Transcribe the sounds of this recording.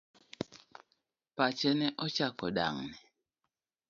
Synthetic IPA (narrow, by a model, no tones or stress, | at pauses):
pat͡ʃɛnɛʔɔt͡ʃakɔɗa̰ŋnɛ